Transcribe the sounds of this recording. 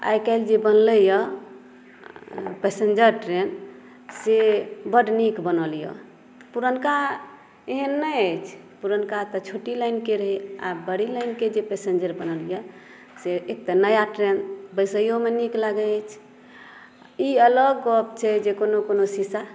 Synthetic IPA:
a̰jkaɪld͡ʒebənləjə | pesend͡ʒəɾʈɾen | sebəɖnikbənəljɔ̰ | puɾənka | eɦənːəjəjt͡ʃʰ | puɾənkat̪ɔt͡ʃʰoʈilaɪnkeɾəɦia̰bəɽilaɪnked͡ʒepesend͡ʒəɾbənəljə | seːk̚t̪anəjaʈɾenbəsəjomeniklaɡəət͡ʃʰ | iələɡːɔb̚t͡ʃʰɛd͡ʒekonokonosisa

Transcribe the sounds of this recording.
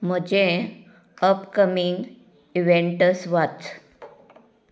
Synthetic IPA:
m̤əd͡ʑẽ | əpkəmiŋɡ | iʋeɳʈəsʋat͡s

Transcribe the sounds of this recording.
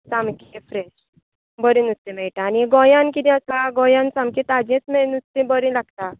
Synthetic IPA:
samkefɾeɕ | bəɾĩnut͡st̪ːĩmɛɭʈaːniɡɔjãnkid̪ĩəsaɡɔjãnt͡sãmkĩt̪ad͡ʑẽt͡smɛɭnut͡st̪ĩbəɾĩlaɡt̪a

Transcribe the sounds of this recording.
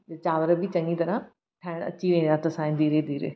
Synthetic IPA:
d͡ʒɐt͡ɕaːʋəɾəbʱit͡ɕɐ̃ŋɡit̪ɐɾã | ʈʰaːɽəɽ̃ɐ̰t͡ɕiʋẽːd̪at̪ɐsãɪ̃d̪iːɾed̪iːɾḛː

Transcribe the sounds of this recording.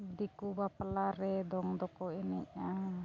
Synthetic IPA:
d̪ikubapəlaɾɛd̪ɔŋd̪ɔkɔinɛʔa

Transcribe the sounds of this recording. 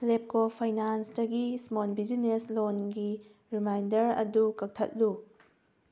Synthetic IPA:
lep̚kopʰajnansdɐɡismonbid͡ʒineslonɡi | ɾimajndɐɾɐ̰dukɐk̚tʰɐ̰t̚lu

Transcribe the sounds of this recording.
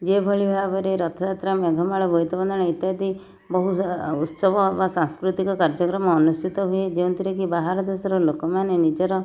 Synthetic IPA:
d͡ʒebʱɔɭibʱabɔɾeɾɔt̪ʰɔd̪at̪ɾamjɔɡʱɔmaɭɔbʱojt̪ɔbɔnd̪ɔɽ̃eit̪ad̪i | bɔɦuut̪sɔbɔebasãŋskɾut̪ikɔkaɾd͡ʒɔkɾɔmɔːnusʈʰit̪ɔɦued͡ʒewũnt̪ʰiɾekibaɦaɾɔd̪esɔɾɔlokɔmanenid͡ʒɔɾɔ

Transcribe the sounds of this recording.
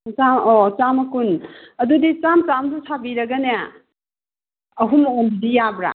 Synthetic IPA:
t͡ʃamot͡ʃamɐkunɐdudit͡ʃamt͡ʃamzusʰabiɾɐɡanea | ɐɦumonbidijabɾa̰

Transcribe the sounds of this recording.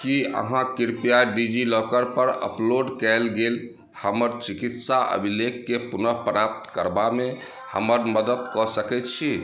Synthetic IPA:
kiə̰ɦãkiɾpijaɖid͡ʒilɔkəɾpəɾə̰ploɖkɛlɡel | həməɾt͡ʃikit̪saʔə̰bʱilekːepunəɦpɾap̚t̪kəɾbame | hə̰məɾməd̪əd̪kɔsəkɛt̪̚t͡ʃʰi

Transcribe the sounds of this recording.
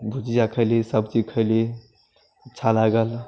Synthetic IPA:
bʱut͡ʃijakʰəɪlisəbt͡ʃikʰəɪli | ətːʃʰalaɡəl

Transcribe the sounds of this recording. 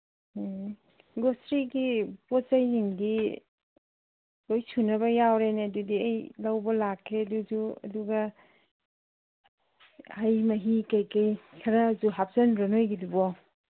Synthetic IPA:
ɡostɾiɡipɔt͡ʃajniŋdi | ojsunɐβɐjawɾeneɐdudiajlɐwbɐlakʰːeɐdud͡ʒuɐ̰duɡɐ | hajmɐɦikajkajkʰɐɾɐzuɦap̚sɐnɾonojɡidubɔ

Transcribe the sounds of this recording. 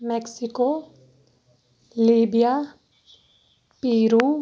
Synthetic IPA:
mɛksɪko | liːbija | piːɾuː

